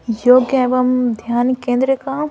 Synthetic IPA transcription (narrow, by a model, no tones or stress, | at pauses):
joːɡɐʋɐmd̪ʱjaːnkẽːnd̪ɾəka